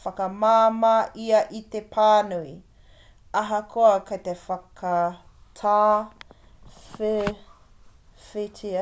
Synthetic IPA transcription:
fɐkɐmaːmaːʔiɐʔit̪epʰaːnui | ɐɦɐkʰoɐkɐjt̪efɐkʰɐ | tʰaː | fe | fetʰi

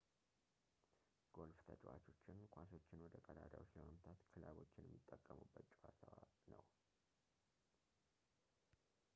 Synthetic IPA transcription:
ɡ̥o̞lft̪ʰət͡ʃʼwa̰t͡ʃo̞t͡ʃːɪnkʷʰaso̞t͡ʃːɪnwɔd̪əkʼəd̪ad̪awot͡ʃːləməmt̪ʰat̪kʰɨlaβo̞t͡ʃːɪnjɛmːit̪ʼːəkʼːəmubːət̪t͡ʃʼhat̪ʰəwanəw

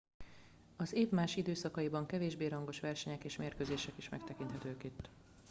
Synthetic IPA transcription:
ɒzeːvmaːʃid̪øːsɒkɒjibɒŋkɛveːʒbeːɾɒŋɡo̞ʃʋɛrʃɛɲɛkeːʃmeːrkøːzeːʃɛkiʃmɛ̰kt̪ɛkint̪ɦɛt̪øːkit̪ː

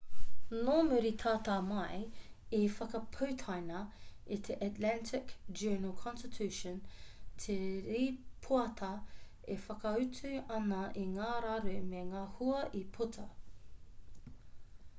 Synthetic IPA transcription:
nomʉɾit̪ʰaːtaːmɐjifɐkɐpʰəwtʰajnɐit̪ʰeʔatlæntʰɪkd͡ʒɜːnəlˠkʰɔ̃nstɪtʰʉʃə̃ntʰeɾiːpʰuɐtʰɐ | efɐkɐʉtʰʉɐnɐʔiŋaːɾaɾʉmeŋaːhuɐʔipʰutʰɐ

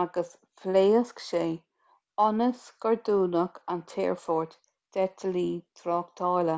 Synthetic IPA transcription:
aɡəs | fleːəskʃeː | ɔnəsɡ̥əɹd̪uːnəkʰant̪ʰḛːɹfɔːɹt̪ | d̪̥ɛt̪ʰəliːt̪ʰɾɔːkt̪ʰɑːlə

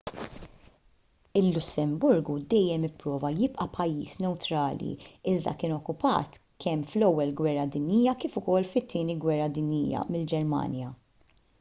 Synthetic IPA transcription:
ɪlːʊsːɛmbʊɾɡud̪ɛjːɛmɪpːɾɔːvɐjɪpʼʔɐpʰɐjːiːsnɛwt̪ɾɐːlḭɪzd̪ɐ̰kɪːnɔkːʊpɐ̰ːt̪ | kʰɛmflɛwːɛlɡwɛrːɐd̪ɪnjiːjɐkiːfʊkɔlːfɪt̪ʰːɪːniɡwɛrːɐd̪ɪnjḭːjɐ̰mɪld͡ʒɛɾmɐ̰ːnjɐ

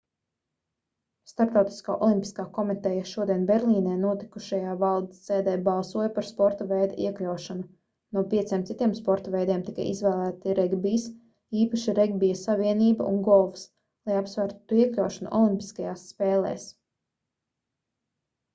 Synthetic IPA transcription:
st̪aɾpt̪awt̪i̥ska̰ːʔɔ̰lˠimpʲi̥skaːkɔmit̪ɛjɐʃuɔd̪iɛnbɛɾlˠiːnɛːnuɔt̪i̥kuʃajaːvalˠd̪sːeːd̪ɛːbɑlˠsuɔjpaɾspɔɾt̪avɛjd̪ɛʔiɛklʲawʃanu | nuɔpʲiɛt̪siːmt̪sit̪iɛmspɔɾt̪ɐvɛjd̪ɛːmt̪ika̰jizvæːlˠæːt̪iɾɛɡbis | iːpaʃiɾɛɡ̚bijasavʲiɛniːbaṵnɡɔlˠfs | lˠajapsvæːɾt̪ːuiɛklʲawʃɐnṵʔɔlˠimpi̥skajaːsːpeːlˠḛːs

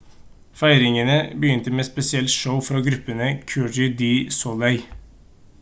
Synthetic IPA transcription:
fæɪɾɪŋənəbəjʏnt̪əmeːspɛsɪɛlt̪ʃəʊfɾɑɡɾʉpənəkʰʉd͡ʒɪd̪iːsɔlæɪ

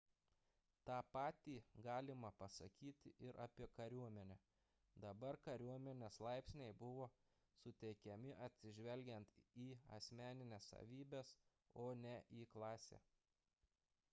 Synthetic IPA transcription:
t̪ɑːpɑːt̪ʲiːɡɑːlʲɪmɐpɐsɐkʲiːt̪ʲɪʔɪɾʔɐːpʲiɛkɐɾʲuɔmʲɛnʲɛ | d̪ɐbɐɾkɐɾʲuɔmʲɛnʲeslˠɑɪpʲsʲnʲɛɪbʊʋoː | sʊt̪ʲɛɪkʲɛmʲɪʔɐt̪ʲsʲɪʒʲʋʲɛlʲɡʲɛnt̪iːɐ̰sʲmʲæːnʲɪnʲesɐ̰ʋʲiːbʲeːs | oːnʲɛʔiːklˠɑːsʲḛː

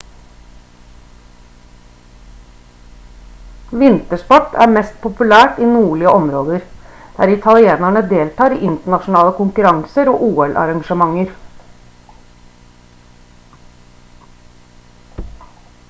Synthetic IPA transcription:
ʋɪnt̪əʂpɔʈːæ̰ːɾmɛst̪̚pʰʊpʉlæːʈiːnuːɭɪəʔɔmɾoːd̪əɾ | d̪̥æːɾɪt̪ʰɑlɪeːnæɳəd̪eːlt̪ɑːɾḭːʔɪnt̪əɳɑʃʊnɑːləkʊŋkʉɾɑŋsəɾo̰ːʔuːɛlʔɑ̰ɾɑŋʂəmɑŋːəɾ

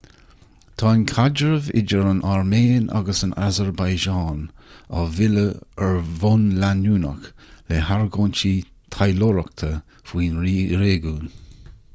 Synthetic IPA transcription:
t̪ʰɑːnkʰad͡ʒəɹəvɪ̰d͡ʒəɹənʔaɹmeːnʔa̰ɡəsənʔa̰zəɹbajʒɑːna̰vɪləɛɹvonlanuːnə̰k | leɦaɹɡoːnt͡ʃi | t̪ʰajloɹək̚t̪ʰə | fwiːnɾɾeːɡuːn

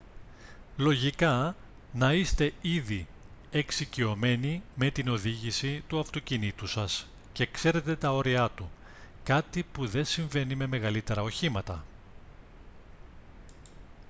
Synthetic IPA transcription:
lo̞ʝikɐ | nɐist̪e̞iði | eksicio̞me̞nime̞t̪ino̞ðiʝisit̪uɐft̪o̞cinit̪usɐs | ce̞kse̞ɾe̞t̪e̞t̪ɐo̞ɾiɐt̪u | kɐt̪ipuðe̞nsiɱve̞nime̞me̞ɣɐlit̪e̞ɾɐo̞çimɐt̪ɐ

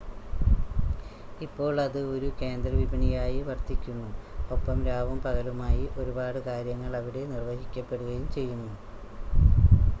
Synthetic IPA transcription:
ipːo̞ːɭɐðɨo̞ɾuke̞ːnd̪rɐʋibʱɐɳijaːjiʋɐrt̪ikʲːunːuo̞pːɐmɾaːʋɐmpɐɣɐlumaːjiʔo̞ɾubaːɽɨkaːɾjɐŋːɐɭɐʋiɽe̞nirʋɐɦikʲːɐpːe̞ɽuɣɐjumt͡ɕe̞jːunːu

